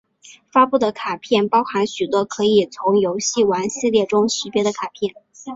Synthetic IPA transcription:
fa˥pu˥˩d̪ə˩kʰa˨˩pʰjɛ˥˩npɑ˥ʊxa˧˥nɕy˨˩t̪wɔ˥kʰɤ˧˥i˨˩t͡sʰʊ˧˥ŋjo˧˥ʊɕi˥˩wa˧˥nɕi˥˧ljɛ˥˩ʈ͡ʂʊ˥ŋɕi˧˥pjɛ˧˥d̪ə˧kʰa˨˩pʰjɛ˥˩n

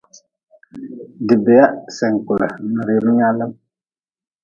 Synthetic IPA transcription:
dɪ˨bɛ˨ja˦sɛ˨ŋ˨kʊ˨la˨nɨ˨ɾe˨ɾu˦ɲa˦lə˦m

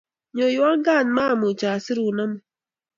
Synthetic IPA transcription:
ɲo˨ju˦a˦ŋ˦ɡa˦˨n˦ma˦˨mu˨t͡ʃa˨si˦ɾu˨na˦m˨

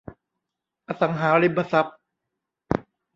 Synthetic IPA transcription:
ʔa˧sa˩˦ŋɦaː˩˦ɾi˦ba˧sa˦˥p̚

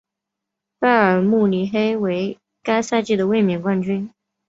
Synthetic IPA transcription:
pa˥ə˞˨˩mu˥˩ni˧˥xe˥ɪwe˧˥ɪ | ka˥ɪsa˥˧t͡ɕi˥˩d̪ə˩we˥˩ɪmjɛ˨˩nkwa˥˧nt͡ɕy˥n

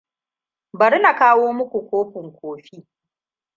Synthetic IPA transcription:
bɐ˨ɾna˨kaː˦woː˦mʊ˦kʷu˨kʷoː˦ɸɪ˨ŋkʷoː˨ɸiː˦

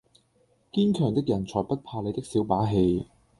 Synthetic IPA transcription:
kiː˥nkʰœː˨˩ŋt̪ɪ˥k̚jɐ˨˩nt͡sʰɔː˨˩jpɐ˥t̚pʰaː˧le˨˧jt̪ɪ˥k̚siː˨˥wpaː˨˥ɦe˧j

